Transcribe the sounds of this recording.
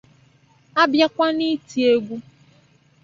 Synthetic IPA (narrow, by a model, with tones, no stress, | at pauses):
a˦bja˦kʷa˦ni˦ti˨e˦ɡʷu˦